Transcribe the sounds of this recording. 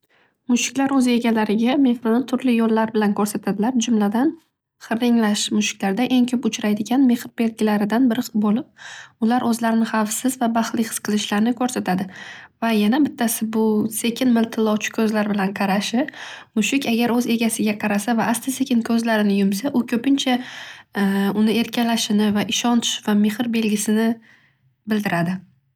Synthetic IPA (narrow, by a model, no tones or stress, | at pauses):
mʊʃɪkʲlaɾɵze̞ɡʲalaɾɪɡʲame̞hɾɪnɪt̪ʰʊɾlɪjolˠːaɾbɪlankʰɵɾsat̪ʰad̪ɪlaɾd͡ʒʊmlad̪an | χɨɾɪŋlaʃmʊʃɪ̥kʲlaɾd̪aʔe̞ŋkʲʰɵpʊt͡ʃʰɾajd̪ɪɡʲanme̞χɾbe̞lɡʲɪlaɾɪd̪anbɪɾbolɪp̚ʊlaɾʔɵzlaɾɪnɪχɑfsɪzvabaχlˠɪqʰɨ̥sqʰɨlˠɪʃlaɾnɪkʰɵɾsat̪ʰad̪ɪvajanabɪt̪ʰːasɪbʊse̞kʰʲɪnmɪlt̪ʰɪlːˠɒwt͡ʃʰɪ̥kʲʰɵzlaɾbɪlanqʰɑɾaʃɪmʊʃɪkʲaɡʲaɾɵze̞ɡʲasɪɡʲaqʰɑɾasavaʔast̪ɪse̞kʲɪnkʲʰɵzlaɾɪnɪjʊmsaʔʊkʲʰɵpɪnt͡ʃʰa | ʊnɪe̞ɾkʲʰalaʃɪnɪvaʔɪʃɒnt̪ʰɪ̥ʃvame̞hɾbe̞lɡʲɪsɪnɪ | bɪld̪ɪɾad̪ɪ